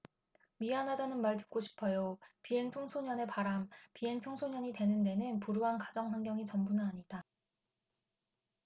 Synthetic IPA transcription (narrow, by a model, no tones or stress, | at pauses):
miɦanɦadanɯnmaɭtɯ̥k̚k͈oɕʰi̥pʰʌjopiɦe̞ŋt͡ɕʰoŋsʰoɲʌne̞paɾampiɦe̞ŋt͡ɕʰoŋsʰoɲʌɲitwe̞nɯnde̞nɯnpuɾuɦankad͡ʑʌŋɸwanɡjʌŋit͡ɕʌmbunɯnaɲida